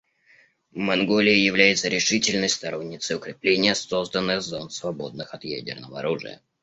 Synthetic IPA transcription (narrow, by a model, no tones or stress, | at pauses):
vmɐnɡo̞lʲɪɪjɪvlʲæjɪt̪səɾʲɪʂɨtʲɪlʲnəjst̪ɐɾo̞nʲːɪt̪səjʊkɾʲɪplʲenʲɪjəso̞zd̪ənːɨzonsvɐbo̞d̪̚nɨxɐt̪jæ̰dʲɪ̰rnəvəɐ̰ɾuʐɨ̰jə̰